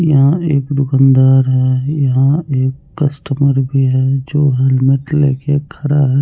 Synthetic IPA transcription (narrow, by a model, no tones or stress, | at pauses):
jɐɦãeːkd̪ʊkãːnd̪aːɾɦɛjɐɦãeːkːəsʈəməɾbʱiɦɛd͡ʒoːɦeːlmeʈlḛːkekʰɐɾaɦɛ